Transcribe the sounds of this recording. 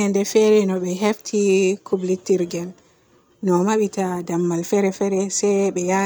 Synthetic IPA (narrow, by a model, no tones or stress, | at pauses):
ɛndɛfɛɾɛnɔɓɛɦeftʰikʰublitːiɾɡɛn | nɔmaɓitadamːalfɛɾɛfɛɾɛsɛɓɛja